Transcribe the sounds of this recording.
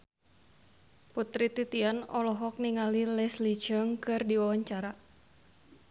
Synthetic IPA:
put̪ɾit̪it̪ianɔlɔɦɔk̚niŋalilɛslid͡ʒəŋkɨrdiwawaɲt͡ʃaɾa

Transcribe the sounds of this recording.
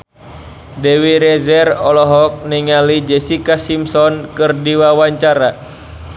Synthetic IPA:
dɛwiɾɛzɛrɔlɔɦɔk̚niŋalid͡ʒɛsikasimsɔnkɨrdiwawaɲt͡ʃaɾa

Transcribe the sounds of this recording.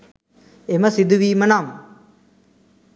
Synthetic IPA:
eməsid̪uʋiːmənam

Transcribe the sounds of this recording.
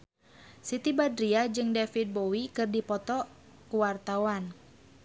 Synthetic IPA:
sit̪ibadɾiad͡ʒɨŋdɛfit̪̚bowikɨrdipɔt̪ɔ | kuwart̪awan

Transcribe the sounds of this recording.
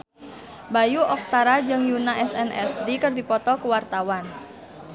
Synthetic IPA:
bajuʔɔk̚t̪aɾad͡ʒɨŋjunaʔɛsɛnʔɛ̰sdikərdipɔt̪ɔkəwart̪awan

